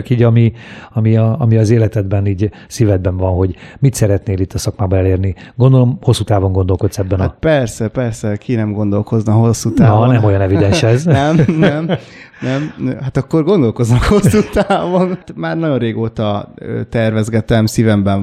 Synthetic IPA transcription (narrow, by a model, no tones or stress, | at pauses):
ɒkiːɟɒmiɒmiɒːmiɒzeːlɛt̪ɛd̪bɛniːɟ | sivɛd̪̚bɛɱvɒnɦo̞ɟmit̪sɛɾɛt̪neːlit̪ːɒsɒkmaːbɒɛleːrniɡo̞nd̪o̞lo̞mho̞sːut̪aːvo̞ŋɡo̞nd̪o̞lko̞t̪sɛbːɛnat̪̚pɛrsɛpɛrsɛkʰinɛmɡo̞nd̪o̞lko̞znɒɦo̞sːut̪anːɒnnɛmo̞jɒnɛvid̪ɛnʃɛznɛmnɛm | nɛmhat̪ɒkːo̞rɡo̞nd̪o̞lko̞znɒkho̞sːut̪aːvo̞ntmaːrnɒɟo̞nreːɡoːt̪ɒøt̪ɛrvɛzɡɛt̪ɛmsivɛmbɛɱ